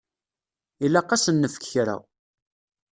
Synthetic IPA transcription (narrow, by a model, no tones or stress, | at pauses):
ilːæqːɑsənːəfə̥kçɾæ̰w